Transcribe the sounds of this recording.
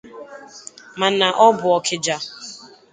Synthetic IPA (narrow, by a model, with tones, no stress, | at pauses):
ma˨na˨ʔɔ˦bʊ˨ɔ˨kʰɪ˨d͡ʒa˨